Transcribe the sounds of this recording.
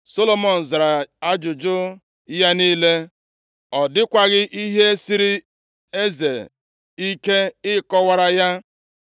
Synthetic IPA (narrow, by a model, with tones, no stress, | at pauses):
so˦lo˨mɔ˨n̩˨za˨ɾa˨a˦d͡ʒʊ˨d͡ʒʊ˦ | ja˦niː˦le˦ | ɔ˨dɪ˦kʷa˨ɣɪ˦ʔi˦ɦe˦si˦ɾi˦ | e˦ze˨ | i˦ke˦ɪ˦kɔ˦wa˦ɾa˦ja˦